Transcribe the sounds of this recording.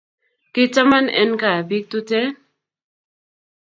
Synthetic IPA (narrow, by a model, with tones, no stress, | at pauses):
ki˦t͡sa˦ma˦nɛ̰˦nka˨bi˦k̚t̪u˦te˦